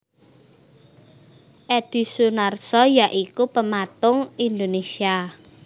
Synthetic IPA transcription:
ʔɛd̪̥i̤sunarsɔjaʔikupəmat̪ʊŋind̪onesia

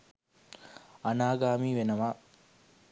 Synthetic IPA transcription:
ɐnaːɡaːmiːʋenɐʋaː

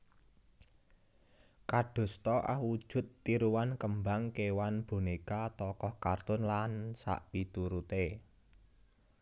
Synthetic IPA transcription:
kaɖ̥o̤st̪ɔʔa̰hwud̥ʒ̥ʊ̤t̪ːiɾuwankəmbaŋkewanb̥o̤nekat̪ɔkɔhkart̪ʊnlansa̰ʔpit̪uɾut̪e

